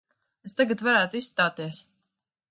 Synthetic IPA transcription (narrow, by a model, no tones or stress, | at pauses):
est̪aɡat̪vaɾæːt̪ʊisst̪aːt̪iɛəs